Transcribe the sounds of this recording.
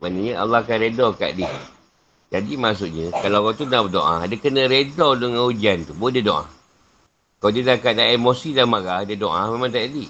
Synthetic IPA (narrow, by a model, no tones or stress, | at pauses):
manəɲəʔa̰lːakanɾedɔka̰ʔdɪh | d͡ʒadimas̬ʊʔɲəkalaɣat̪unaʔbədoʔa̰dəkənə̃ɾedɔləŋãud͡ʒiant̪ubodədoʔa̰ | kadədakaʔdaemosidamaɣadədoʔamemãŋt̪ajadi